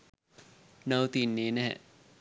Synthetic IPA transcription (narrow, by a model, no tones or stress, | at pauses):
nawt̪inːiːnɛ̰